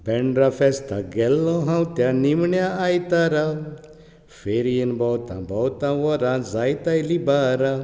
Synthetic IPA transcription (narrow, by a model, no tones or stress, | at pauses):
bɛɳɖɾafɛst̪aɡɛlːɔɦãwt̪jãnimɳjaːjt̪aɾa | feɾijinbɔwt̪ã̰bɔwt̪ãʋɔɾãzajt̪ajlibaɾa